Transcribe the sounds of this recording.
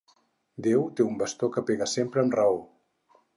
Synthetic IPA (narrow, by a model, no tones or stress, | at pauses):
d̪ewt̪eumbəst̪okəpeɣəsempɾəːmrəo